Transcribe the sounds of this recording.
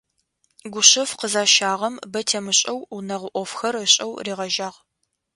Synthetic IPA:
ɡʷʊɕɐfqəzaːʃaːʁɐmbɐtʰeːmɨɕʼɐwunɐʁʷʊʔʷɔfxɐrəɕʼɐ̰wriːʁɐʒaːʁ

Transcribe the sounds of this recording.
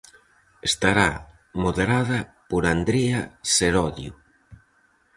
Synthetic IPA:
est̪aɾa | moðeɾaðɐpoɾand̪ɾeaseɾɔðjṵ

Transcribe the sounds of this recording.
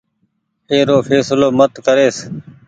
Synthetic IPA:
eːɾoːfʰeːsloːmət̪kəɾeːs

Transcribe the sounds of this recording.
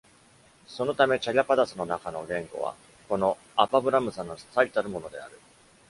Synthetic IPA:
so̞no̞t̪ame̞t͡ɕaʎʲapad̪asɨno̞nakano̞ɡẽ̞ŋɡo̞̰βa̰ | ko̞no̞ | apabɯ̟ɾamɯ̟sãnːost̪ait̪aɾɯ̟mo̞no̞d̪e̞a̰ɾɯ̟

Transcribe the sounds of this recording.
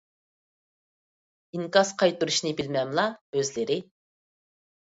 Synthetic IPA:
iŋkɑsqʰɑjt̪uɾuʃnɪbɪlmɛmlˠɑøzlɪɾɪ

